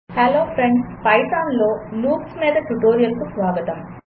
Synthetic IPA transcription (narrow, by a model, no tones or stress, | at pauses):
heloːpʰɾeɳɖspɐjʈaːnlo̞ːluːksmiːd̪ɐʈuʈoːɾijɐlkusʋaːɡɐt̪ɐm